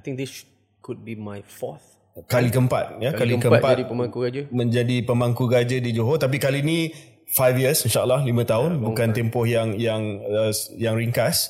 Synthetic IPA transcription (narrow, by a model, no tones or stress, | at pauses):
at̪ɪ̃ŋk̚d̪is | kud̚bimajfɔθ | kalikəəmpa̰t̪̚jakalikəəmt̚patipəmãŋkuɡad͡ʒəmə̃ɲd͡ʒadipəmaŋkuɡad͡ʒədid͡ʒoɦot̪ap̬ikalinĩ | fajfjiəsinʃaəlːahlimə̃t̪aʊnbukant̪empɔhjaŋjaŋəsjaŋɾiŋkas